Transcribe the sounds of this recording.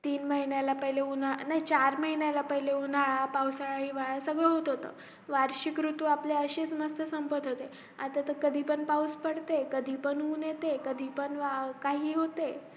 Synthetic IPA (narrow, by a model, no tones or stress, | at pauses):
t̪iːnməɦinjalapəɦileunanait͡ɕaɾməɦinjalapəɦileunaɭapawsaɭaɦiʋaɭsəɡɭeɦot̪ɦot̪ə̰ː | ʋaɾɕikɾut̪uːapleəɕest͡sməst̪ʰəsəmpəd̪ɦot̪e | a̰t̪at̪əkəd̪ʱiːpəɳpawspəɽt̪ekəd̪ʱiːpəɳɦuːnjet̪ekəd̪ʱiːpəɳʋakaɦiːɦot̪e